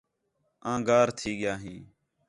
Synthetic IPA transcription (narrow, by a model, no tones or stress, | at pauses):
ãːɡaːɾt̪ʰiːɠɪjaːɦĩː